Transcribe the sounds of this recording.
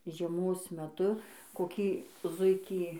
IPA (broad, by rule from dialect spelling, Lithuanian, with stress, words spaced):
ʒʲiɛˈmoːs mʲɛˈtʊ koːˈkʲiː ˈzʊɪkʲiː